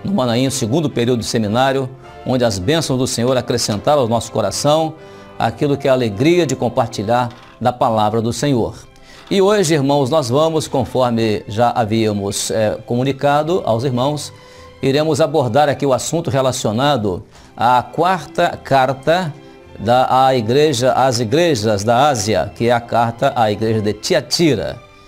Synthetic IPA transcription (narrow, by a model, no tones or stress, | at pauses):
nʊ̃mɐ̃nɐ̃ĩʊsɪɡũnd̪ʊpeɾiuwd̪ʊʊsemĩnaɾjʊ | õnd͡ʒɪɐzbẽsɐ̃w̃zd̪ʊsẽɲoɾakɾesẽnt̪aɾɐ̃ʊnɔsʊ̥koɾasɐ̃w̃ | a̰kilʊkɪɛaleɡɾiɐd͡ʒɪkõpaɾt͡ʃiʎaɾ | d̪ɐpalavɾɐd̪ʊsẽɲoɾ | ɪoʒɪiɾmɐ̃w̃znɔzvɐ̃mʊskõfɔɾmɪʒaʔaviɐmʊsɛkomũnikad̪ʊʔa̰wziɾmɐ̃w̃s | iɾẽmʊzaboɾd̪aɾakiʊasũnt̪ʊɦelasionad̪ʊ | akwaɾt̪ɐkaɾt̪ɐ | d̪ɐiɡɾeʒɐʔaziɡɾeʒɐzd̪ɐaziɐ̰kɪɛɐkaɾt̪ɐʔaiɡɾeʒɐd̪ɪt͡ʃiat͡ʃiɾɐ̰